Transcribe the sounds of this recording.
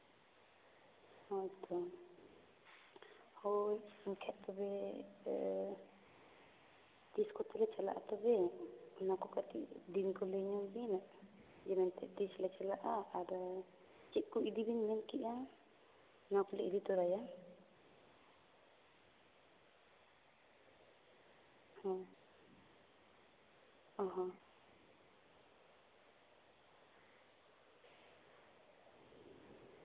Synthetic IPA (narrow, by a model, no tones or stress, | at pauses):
hɔt̪ɔ | hɔnkʰɛʔt̪ɔbɛ | t̪iskɔt̪ɛlɛt͡ʃala̰ʔat̪ɔbɛnakɔkat̪ḭʔd̪inkɔlɛɲɔbinaʔ | d͡ʒɛmɛnt̪ɛʔt̪islɛt͡ʃalaʔaʔːɾa | t͡ʃɛʔ̪̚kuʔid̪ibinmɛnkiʔa | nakuliʔidit̪uɾaja | ha | ɦa